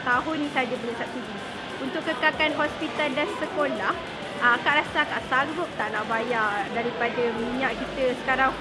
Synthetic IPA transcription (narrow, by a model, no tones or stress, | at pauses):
t̪aɦʊnːĩsad͡ʒabənasap̚siɡi | unt̪ʊʔkːəkakanɦɔspit̪aldansəkolah | kaʔɾasakaʔsaɡʊp̚t̪aʔnaʔbajaʔdaɾipadamiɲãʔkit̪əsə̥kaɾaŋ